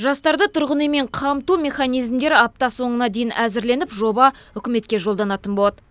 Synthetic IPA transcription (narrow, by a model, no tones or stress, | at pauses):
ʒɑst̪ɑɾd̪ət̪ʰʊɾʁənəjme̞ɴqʰɑmt̪ume̞χɑnijzmd̪e̞ɾɑp̚t̪ɑso̞ɴənɑd̪e̞jɪnʔæzɪɾle̞nɪpʒo̞bɑ | ʏkʲɪme̞t̪kʲe̞ʒo̞lˠd̪ɑnɑt̪ənbolˠɑt̪ə